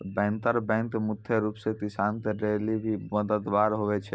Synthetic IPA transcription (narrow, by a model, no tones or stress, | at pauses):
bɛ̃ːnt̪əɾbɛ̃ŋk̪mʊt̪ʰjeɾuːpset̪ɪsaːnt̪eɾeːlibʱiməd̪əd̪ʋaːɾɦoʋet͡ʃʰɛ